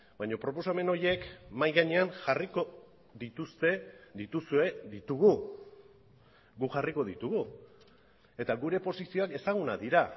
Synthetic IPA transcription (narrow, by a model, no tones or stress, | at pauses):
baɲo̞pɾo̞po̞same̞no̞ɾje̞kmajɣaɲe̞anʝariko̞ | d̪it̪ust̪e̞d̪it̪usue̞d̪it̪uɣu | ɡuʝariko̞ðit̪uɣu | e̞t̪aɣuɾe̞po̞sisio̞ake̞saɣ̞unaðiɾa